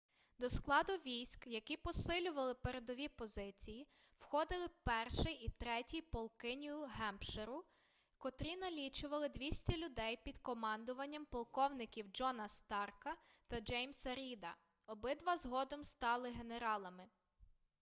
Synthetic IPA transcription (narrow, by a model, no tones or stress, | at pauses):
d̪ɔsklˠɑd̪ʊʋʲijsʲkjɐkʲipɔsɪlʲʊʋɐlˠɪpeɾed̪ɔʋʲipɔzɪt͡sʲijiwxɔd̪ɪlˠɪpɛrʃɪjit̪ɾɛtʲijpɔlˠkɪnʲijʊɦɛmpʃeɾʊ | kɔt̪ɾʲinɐlʲit͡ʃʊʋɐlˠɪd̪ʲʋʲisʲtʲɐlʲʊd̪ɛjpʲid̪kɔmɑnd̪ʊʋɐnʲːɐmpɔlˠkɔwnɪkʲiwd͡ʒɔnɐst̪ɑrkɐt̪ɐd͡ʒɛjmsɐɾʲid̪ɐ | ɔbɪd̪ʋɐzɦɔd̪ɔmst̪ɑlˠɪɦe̞neɾɑlˠɐmɪ